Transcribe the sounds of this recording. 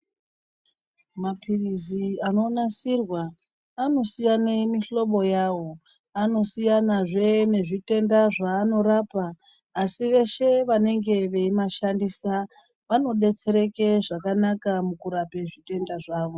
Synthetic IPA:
mapiriziano̞nasirwaː | no̞sijanemiɬo̞ɓo̞jaːwo̞ | ano̞sijanaʐe̞ne̞ʐite̞ndaʐaːno̞ɾaːpaː | siʋe̞ʃe̞ʋane̞ŋɡe̞ʋe̞imaʃandisa | ʋano̞ɗe̞t͡se̞ɾe̞ke̞ʐakanakamukuɾape̞ʐite̞ndaʐaːʋo̞

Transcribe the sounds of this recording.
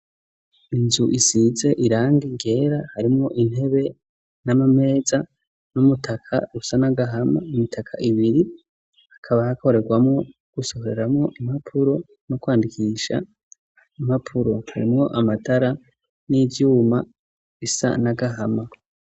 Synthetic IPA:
inzuʔisize̞ʔiɾaːŋɡiɡe̞ːɾahaɾimŋo̞ʔin̥he̞βe̞ | namame̞ːza | numutʰakʰa̰usanaɡaɦama̰umitʰakʰaʔiβiɾi | akʰaβahako̞ɾe̞ɡwamŋo̞ | ɡ̥uso̞hoɾeɾamŋo̞ʔimapʰuɾo̞ | nokwaːndikʰiːʃa̰ | imapʰuɾo̞ha̰ɾimŋo̞ʔamatʰaɾa | nivjuːma | isa̰naɡaɦama

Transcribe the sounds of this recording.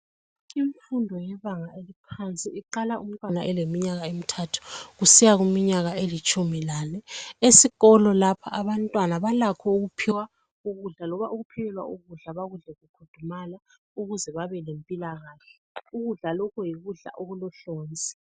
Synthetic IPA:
iɱfundʱɔjɛβaŋaʔelipʰant͡sʼiiǃalaʔum̩tʼwanaʔɛlemiɲaɣaemitʰatʰu̥ɣusijaɣumiɲaɣaelit͡ʃʼumilanɛesiɣɔlɔlapʰa̰ʔaβantʼwanaβalakʰɔuɣupʰiwa | uɣuɮalɔβaʔuɣupʰɛlɛlwa̰ʔuɣuɮaβaɣuɮɛɣukʰud̥ʱumala | uɣuzɛβaβɛlempʼilaɣaɬɛ | uɣuɮalɔkʰɔjiɣuɮa̰ʔoɣulɔɬɔːnd͡zʱi̥

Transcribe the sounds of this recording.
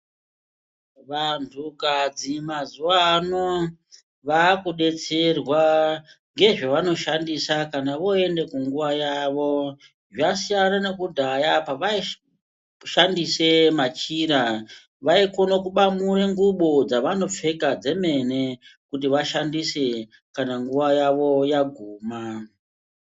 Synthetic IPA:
ʋantʰukad͡zimazuwano | ʋakuɗe̞t͡se̞rwa | ŋɡe̞ʐaʋano̞ʃandisakanaʋo̞e̞nde̞kuŋɡuʋajaʋo̞ | ʐasijananekudʱajapaʋai | ʃandise̞mat͡ʃiɾa | ʋaiko̞nokuɓamuɾeŋɡuɓod͡zaʋano̞p͡fe̞kad͡ze̞me̞ne̞kutiʋaʃandise̞ | kanaŋɡuʋajaʋo̞jaɡʱuːma

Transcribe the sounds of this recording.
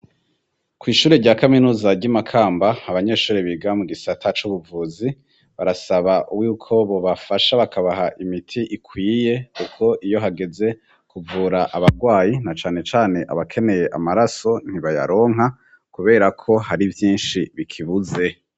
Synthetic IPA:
kwiːʃuːɾeɾɟaːkaminuːzaɟamakʰaːmbaːβaɲe̞ːʃuːɾeβiɡamuɡisatʰat͡ʃuβuvuːzi | βaɾasaβaʔuwjuːkʰo̞βo̞βafaʃaβakʰaβaɦaʔimitʰiʔikʰwiːje̞kukʰo̞ʔijo̞ɦaɡe̞ze̞ | kuvuːɾaʔaβaɾɡwaːjinat͡ʃaːne̞t͡ʃaːne̞ʔa̰βakʰe̞ne̞je̞ʔamaɾaso̞n̥hiβaja̰ɾo̞ːŋ̥ɦa | kuβe̞ːɾakʰo̞haɾivjiːnʃiβikʰiβuze̞

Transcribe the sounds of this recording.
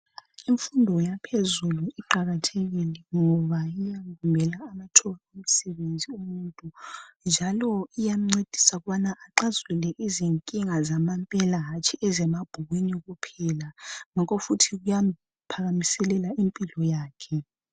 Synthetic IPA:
iɱfundʱɔjapʰezuluʔiǃaɣatʰɛɣilɛŋɔβajijaŋɡumbʱɛlaːmatʰɔɣaom̩sɛβend͡zʱiumuntʼund͡ʒʱalɔijam̩ŋ͡ǀed̥ʱi̥saɣuβanaʔaǃazulɛʔiziŋkʼiŋazamampʼɛlaɦat͡ʃʼiʔɛzɛmab̥ʱuɣwiniɣupʰɛlaŋakʰofutʰiɣujam | pʰaɣamisɛlɛlaʔimpʼilɔjaːkʰɛ

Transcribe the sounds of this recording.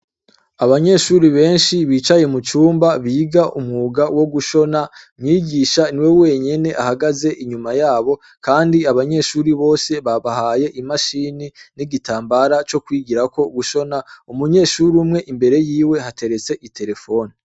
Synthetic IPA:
aβaɲe̞ʃuɾiβe̞ːnʃiβiːt͡ʃaje̞mut͡ʃuːmbaβiːɡaʔumŋuːɡawo̞ɡuʃo̞namɲiːɡiːʃaniwewe̞ɲe̞ne̞ʔahaɡaze̞ʔiɲumajaːβo̞ | kaːndiaβaɲe̞ʃuːɾiβo̞ːse̞βaβahaːje̞ʔimaʃininiɡitaːmbaɾat͡ʃo̞kwiːɡiɾako̞ɡuʃo̞naumuɲe̞ːʃuɾumŋe̞ʔimbe̞ɾe̞jiːwe̞ɦate̞ɾe̞t͡se̞ʔitʰe̞ɾe̞fo̞ːni

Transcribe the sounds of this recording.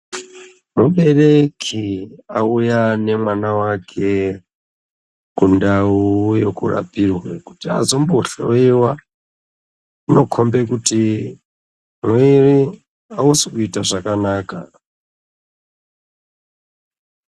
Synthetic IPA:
muɓe̞rekʰiaujane̞mwanawakʰe̞ | kundaujokṵra̰pirweku̥tia̰zomboɬeiwa | uno̞kʰombekuti | mwiri | ausiuitaʐakanaːka̰

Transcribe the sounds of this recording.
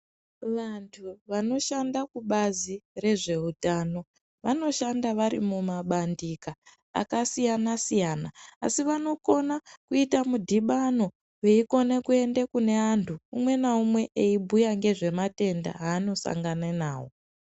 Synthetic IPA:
ʋantʰuʋano̞ʃandakuɓazire̞ʐe̞utaːno̞ | ʋano̞ʃandaʋaɾḭmumaɓandika̰ː | kasijanasijanaːsiʋano̞ko̞nakuitamudʱiɓano̞ | weiko̞nekue̞ndekune̞antʰuumwe̞naumwe̞ʔeibʱujaŋɡe̞ʐe̞mate̞nda̰ɦaːno̞sa̰ŋɡanenaːwo̞

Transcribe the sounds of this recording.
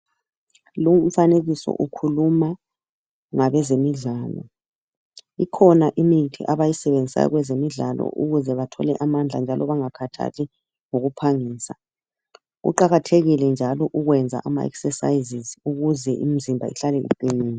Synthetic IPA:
lum̩faneɣisɔ̰ʔukʰuluma | ŋaβɛzemiɮaːlɔ̰ | ikʰɔnaʔimiitʰḭʔaβajisɛβend͡zʱisa̰jɔ̰ɣwɛzemiɮalɔ̰ʔṵɣuzɛβatʰɔ̰lɛʔamand͡ɮʱa̰nd͡ʒʱalɔβaŋakʰatʰa̰tʰi | ŋoɣupʰaŋiːsa | ɣṵǃaɣatʰeɣilɛnd͡ʒʱalɔʔuɣwɛnd͡zʱa̰ʔama̰ɛ̰ksɛsa̰izizuɣuzɛʔimizimbʱa̰ḭɬalɛɣṵǃiniːna

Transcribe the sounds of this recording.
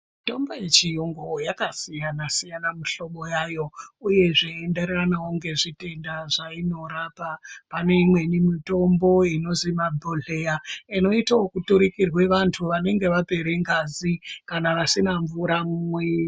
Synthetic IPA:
to̞mbojet͡ʃijoŋɡo̞jakasijanasijanamuɬo̞ɓo̞jajo̞uje̞ʐaende̞reranawoŋɡe̞ʐite̞ndaʐaino̞ɾapapane̞imwe̞nimito̞mbo̞ino̞zimabʱoɮe̞jaino̞itaokutuɾikirwe̞ʋantʰuʋane̞ŋɡe̞ʋape̞ɾeŋɡazikanaʋasinaɱvuɾamumwe

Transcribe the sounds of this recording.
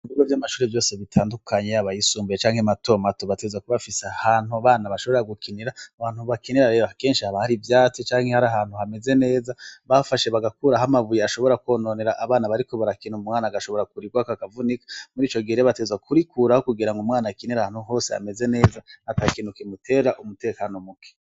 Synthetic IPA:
iviɡovjamaʃuːɾevjo̞ːseβitʰaːndukʰaɲe̞aβajisuːmbujet͡ʃaːŋhemato̞ːmatoβatezwakuβafisahaːn̥huaβaːnaβaʃo̞βoeaɡukʰiniɾaaβaːn̥huβakiniɾaɾeɾake̞ːnʃihaβahaɾivjaːt͡sit͡ʃaːŋhe̞haɾaɦaːn̥huhame̞ze̞ne̞ːzaβafaʃe̞βaɡakuːɾaɦamaβujeaʃo̞βo̞ɾakwoːnoneɾaʔaβaːnaβaɾiko̞βaɾakinuumŋaːnaɡaʃo̞βo̞ɾakuɾiɡwakaakavunikḁmuɾiːt͡ʃo̞ɡiɾeβatezwakʰuɾikuɾahokuɡiɾaŋɡomŋaːnakiniɾahaːn̥huɦo̞ːsea̰me̞ze̞ne̞ːzaatakinukemutʰe̞ːɾaʔumute̞ːkano̞muke̥

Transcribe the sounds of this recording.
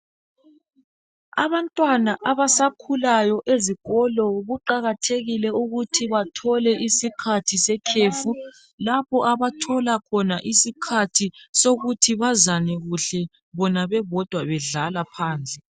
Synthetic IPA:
a̰βantʼwanaʔaβasakʰulajɔʔeziɣɔlɔɣuǃaɣatʰeɣilɛuɣutʰiβatʰɔlɛʔisikʰatʰisɛkʰeːfu | lapʰɔʔaβatʰɔlakʰɔnaʔisikʰatʰisoɣutʰiβazanɛɣuɬɛ | βɔnaβɛβɔd̥ʱwaβɛɮalapʰaːnt͡sʼɛ

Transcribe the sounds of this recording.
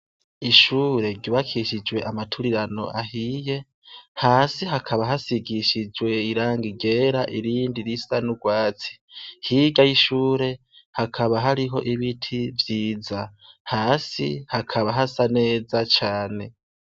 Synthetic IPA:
iʃuːɾe̞ɾɟuβakʰiʃid͡ʒwe̞ʔamatʰuɾiɾano̞̰ʔahije̞ | haːsiɦakʰaβaɦasiɡiʃid͡ʒwe̞iɾaːŋɡiɡe̞ːɾaʔiɾiːndiɾisanuɡwaːt͡si̥hiːɡajiʃuːɾe̞ | hakʰaβaɦaɾiɦo̞̰ʔiβitʰivjiːzahaːsḭhakʰaβaɦasane̞ːzat͡ʃaːne̞

